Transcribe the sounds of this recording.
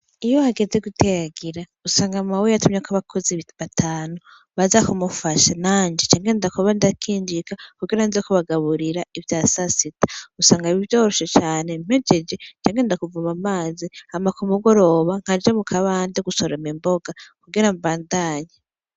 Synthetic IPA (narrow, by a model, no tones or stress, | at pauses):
ijohaɡezeɡutʰejaɡiɾa | usaːŋɡamawejatumɲekaβakʰoziββatʰaːnu | βazakumufaʃanaːɲd͡ʒet͡ʃaːŋɡendakuβandakʰiːɲd͡ʒikakuɡiɾanzekoβaɡaβuɾiɾaivjaːsasitḁusaːŋɡaiβivjo̞ːɾoʃet͡ʃaːne̞m̥ed͡ʒed͡ʒet͡ʃaːŋɡendakuvumamaːzihamakumuɡo̞ɾo̞βaŋ̥ad͡ʒamukʰaβaːndeɡusoɾemimbo̞ɡakuɡiɾambaːndaːɲa